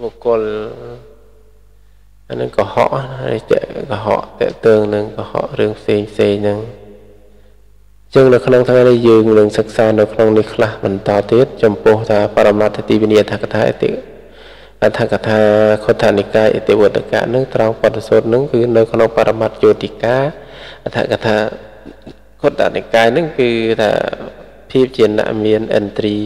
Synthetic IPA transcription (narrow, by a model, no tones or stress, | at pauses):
ʋokʊ̆əl | anɨŋkɔhɑ̰ʔrḭht͡ɕɛ̰ʔkɑɦɑ̰ʔt̪ɛ̆əʔt̪ɔːŋnɨŋkɑhɑ̰ʔrɨəŋpʰseːŋpʰseːŋnɨŋ | t͡ɕəŋnɨwkʰnoŋt̪ʰŋajnihjəːŋnɨŋsɨk̚saːnɨwkʰnoŋnihkʰlahɓɑnt̪ɑːt̪iət̪̚t͡ɕɑmpʊ̆əht̪ʰaːpaɾamnat̪̚t̪iːʋiniəʔat̪ʰakat̪ʰaːʔ̪ | ʔat̪ʰakat̪ʰaːkʰot̪ʰːaʔnikaːjʔḛt̪eʔʋoət̪ːeka̰ːʔnɨŋt̪raɔŋpŏət̪ːesoːt̪̚nɨŋkɨːnɨwkʰnoŋpaɾamat̪̚joːt̪ʰiəkaːʔat̪ʰa̰ʔkat̪ʰaː | kʰot̪ʰːa̰ʔnikaːjnɨŋkɨːt̪ʰa̰ː | pʰiəp̚t͡ɕiəna̰ʔmiənʔɛ̰nt̪riː